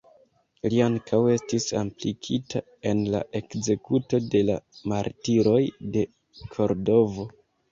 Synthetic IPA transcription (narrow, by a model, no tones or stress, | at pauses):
liaŋkʰawe̞stisa̰mplikʰita | e̞nla̰ʔe̞kze̞kuto̞de̞la̰maɾtiɾo̞jde̞ | kʰo̞ɾdo̞vo̞